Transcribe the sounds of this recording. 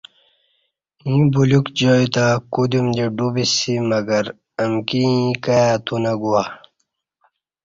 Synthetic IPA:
ĩbulukd͡ʑoːit̪akud̪umd͡ʑeɖubisimɐɡɐɾ | ɐmkiikajat̪ʰunaɡuwa

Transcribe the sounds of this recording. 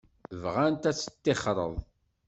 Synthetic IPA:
vʁant̪æt͡sːə̥t̪ːeχɾˤə̰ðˤ

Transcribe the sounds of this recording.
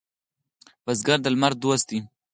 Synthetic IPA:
bazɡaɾd̪əlmaɾ̚d̪wast̪i

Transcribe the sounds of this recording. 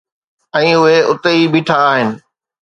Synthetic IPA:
ɛ̃ːʊɦeʊt̪eibiːʈʰaːɦɪnɪ̆

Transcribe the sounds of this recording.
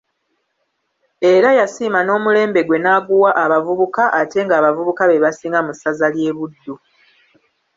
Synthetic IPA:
e̞ɾajasiːmano̞ːmule̞ːmbe̞ɡwe̞naːɡuwaʔaβavuβukaʔate̞ŋɡaːβavuβukaβe̞βasiːŋɡamusazalje̞ːβudːu

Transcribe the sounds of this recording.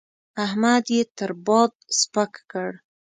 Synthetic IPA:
ahmad̪jet̪əɾbɑd̪̚spəkkəɽ

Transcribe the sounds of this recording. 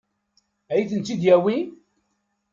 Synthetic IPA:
æjiθənt̪ːid̪jæwi

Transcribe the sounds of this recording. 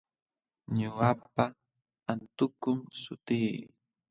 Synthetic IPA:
ɲʊwapa | ant̪ʊkʊmsʊt̪iː

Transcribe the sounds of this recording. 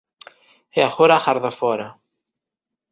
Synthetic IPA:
eaxoɾaxɐɾðɐfoɾɐ

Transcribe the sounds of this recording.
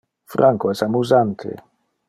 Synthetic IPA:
fɾʔaŋkɔɛsamuzant̪ʰɪ̰

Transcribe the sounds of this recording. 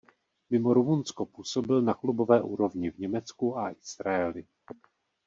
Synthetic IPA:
mɪmo̞ɾumunsko̞puːso̞bɪlnaklubo̞vɛːʔṵːɾo̞vɲɪvɲɛmɛt͡skuaʔɪsɾajɛlɪ

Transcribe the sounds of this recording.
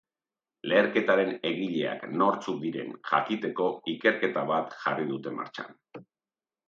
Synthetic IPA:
le̞ːɾke̞t̪aɾe̞ne̞ɣiʎe̞a̰kno̞ɾt͡suk̚d̪iɾe̞̰nʝa̰kit̪e̞ko̞ike̞ɾke̞t̪aβat̪ʝa̰riðut̪e̞ma̰ɾt͡ʃa̰n

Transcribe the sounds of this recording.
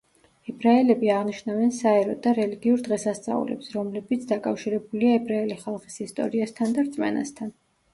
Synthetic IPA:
ɛbɾaɛlɛbiaʁniʃnavɛnsaɛɾɔd̪aɾɛliɡiuɾd̪ʁɛsast̪sʼa̰ṵlɛ̰psɾɔmlɛbit̪sʰd̪akʼafʃiɾɛbuliaɛbɾaɛliχalˠχi̥sist̪ʼɔ̰ɾiast̪ʰand̪aɾt̪sʼmɛ̰na̰st̪ʰan

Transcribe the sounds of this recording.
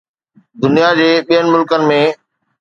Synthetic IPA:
d̪ʊnijad͡ʑeːɓijənɪ̆mʊlkənɪ̆mẽː

